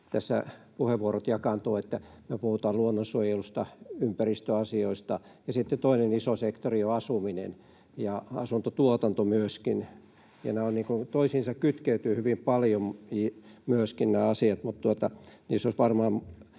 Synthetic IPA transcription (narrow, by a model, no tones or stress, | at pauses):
t̪æsːæ̰puheʋʋuorot̪jɑkɑnt̪oːet̪ːæmyøpuhut̪ɑːluonːonsuojelust̪ɑympærist̪øɑsioist̪ɑ | jɑsit̪ːet̪oinenisosekt̪orioɑsuminḛn | jɑɑ̰sunt̪ot̪uot̪ɑnt̪omyøskin | jɑ̰næonniːŋkunt̪oisiːnsɑkkyt̪keyt̪yːhyʋimpɑljomimyøskinnæːɑsiɑt̪mut̪t̪uot̪ɑniːsːosʋɑrmɑːm